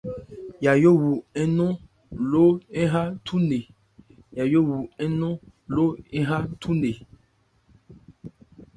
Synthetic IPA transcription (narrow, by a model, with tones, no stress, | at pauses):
ja˨jo˦wu˨ɛ˦nɔ̃˦ | lo˦ɛ˦ɦa˦tʰu˦ne˨ | ja˨jo˦wu˨ɛ˦nɔ̃˦ | lo˦ɛ˦ɦa˦tʰu˦ne˨